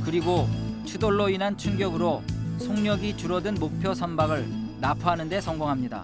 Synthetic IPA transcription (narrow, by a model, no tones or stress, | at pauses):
kɯɾiɡot͡ɕʰudoɭːoinɦant͡ɕʰuŋɡjʌɡɯɾosʰoŋɲʌɡit͡ɕuɾʌdɯnmok̚pʰjʌsʰʌnbaɡɯɭnapʰʌɦanɯnde̞sʰʌŋɡoŋɦamɲida̰